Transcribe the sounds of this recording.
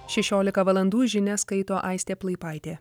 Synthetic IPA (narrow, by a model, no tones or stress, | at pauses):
ʃʲɛʃʲoːlʲɪkɐʋɐlˠɐnd̪uːʒʲɪnʲɛskɐɪt̪oːʔɐɪsʲt̪ʲeːplˠɐɪpɑɪt̪ʲeː